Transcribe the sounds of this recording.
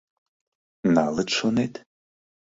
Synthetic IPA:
naːlɨʈ͡ʂʷʰonejtʰ

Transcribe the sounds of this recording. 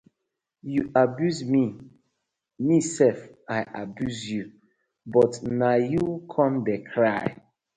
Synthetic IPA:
juabjuzi | misɛlfajʔabjuzju | bɔtnajukʰɔ̃mdɛkʰɹaj

